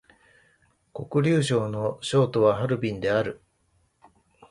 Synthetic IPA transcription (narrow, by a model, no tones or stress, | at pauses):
ko̞kɯ̟ɾʲɨːɕo̞ːno̞ɕo̞ːt̪o̞βaɦaɾɯ̟bʲĩnd̪e̞aɾɯ̟